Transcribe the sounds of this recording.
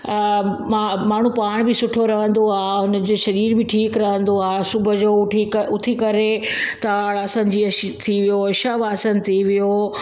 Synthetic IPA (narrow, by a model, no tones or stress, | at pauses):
mamaːɳ̤upaːɽ̃bɪsʊʈʰoɾɐɦə̃n̆d̪oaːɦʊnə̆d͡ʑoːʃɐɾiːɾbɪʈʰiːkɾɐɦə̃nd̪oaːsʊbʱʊ̆d͡ʑoːʊʈʰiʊt̪ʰikɐɾe | t̪ɐʋaːɽɐsãɲ̆d͡ʑiːɐ | t̪ʰiʋijoɐʃabaːsənt̪ʰiʋijo